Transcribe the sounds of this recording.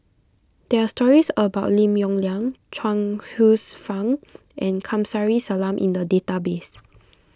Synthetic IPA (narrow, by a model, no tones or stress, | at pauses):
d̥ɛastɔɹisəbaʊtlĩmjɔ̃ŋlãŋt͡ʃʰãŋhusfãŋ | ʔɛ̃nkʰãmsaɹisalãmʔḭ̃ndədetabes